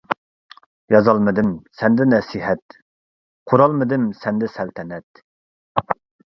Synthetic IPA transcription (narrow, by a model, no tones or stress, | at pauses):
jɑzɑlˠmɨd̪ɨmsɛnd̪ɪnɛsiɦɛt̪ | qʰoɾɑlˠmɨd̪ɪmsɛnd̪ɛsɛlt̪ʰɛnɛt̪